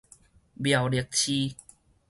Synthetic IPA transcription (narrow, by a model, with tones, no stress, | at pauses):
bja˨˩wli˨˩ək̚t͡ɕʰi˦